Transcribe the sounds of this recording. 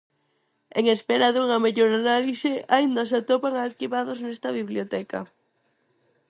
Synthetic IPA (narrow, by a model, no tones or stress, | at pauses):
eŋespeɾaðuŋɐmeʎoɾanalisɪaind̪as̬at̪opaŋalkiβaðoznɛst̪ɐβiβljot̪ɛkɐ̰